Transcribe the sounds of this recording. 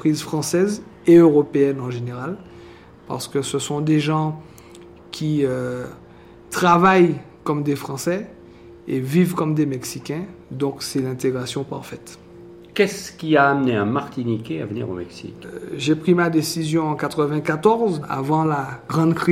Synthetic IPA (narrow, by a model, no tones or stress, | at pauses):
pχizfχɑ̃sɛz | eøʁɔpeɛnɑ̃ʒeneʁal | pa̰ʁsə̥kəsəsɔ̃d̪eʒɑ̃ | kʲʰiø | t̪χavaj | kɔmd̪efχɑ̃sɛ | evivkɔmd̪emɛksikʲɛ̃ | d̪ɔ̃ksɛlɛ̃t̪eɡʁasjɔ̃pa̰ʁfɛt̪ | kɛskʲiaːmneãmaʁt̪inikʲea̰vənḭʁo̰mɛksḭkʒepχimad̪esizjɔ̃ɑ̃kat̪χəvɛ̃kat̪ɔʁza̰vɑ̃laɡʁɑ̃d̪kχi